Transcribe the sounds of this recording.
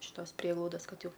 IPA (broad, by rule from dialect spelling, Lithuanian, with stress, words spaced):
ɪʃ ˈtoːs ˈpʲrʲiɛɡlˠɐʊdɐs ˈkɐt ˈjɛʊ